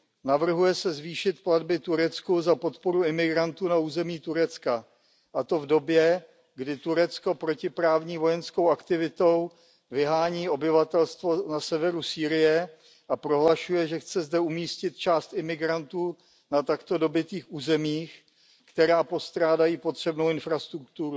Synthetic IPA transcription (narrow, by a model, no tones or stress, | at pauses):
navr̩ɦujɛsɛzviːʃɪt̪pladbɪt̪uɾɛt͡skuzapo̞t̪po̞ɾuɪmɪɡɾant̪uːnauːzɛmiːt̪uɾɛt͡ska | ʔat̪o̞vdo̞bjɛ | ɡdɪt̪uɾɛt͡sko̞pɾo̞cɪpɾaːvɲiːvo̞jɛnsko̞wakt̪ɪvɪt̪o̞w | vɪɦaːɲiːʔo̞bɪvat̪ɛlst̪vo̞nasɛvɛɾusiːɾɪjɛ | ʔapɾo̞ɦlaʃujɛʒɛxt͡sɛzdɛumiːscɪt̪̚t͡ʃaːst̪ɪmɪɡɾant̪uː | nat̪akt̪o̞do̞bɪt̪iːxʔuːzɛmiːx | kt̪ɛɾaːpo̞st̪ɾaːdajiːpo̞t̪r̝̥ɛbnowɪnfɾast̪ɾuk̚t̪uɾu